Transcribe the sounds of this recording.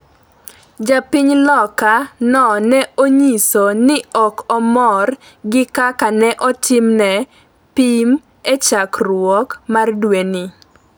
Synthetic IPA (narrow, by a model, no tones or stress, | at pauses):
d͡ʒapɪɲlɔkanɔnɛoɲisonɪɔkɔmɔr | ɡɪkakanɛʔɔtɪmnɛ | pim | et͡ʃakrwɔkmardweni